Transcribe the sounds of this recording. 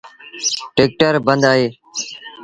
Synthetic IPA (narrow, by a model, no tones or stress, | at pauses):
ʈeːk̚ʈəɾbənd̪aːɦeː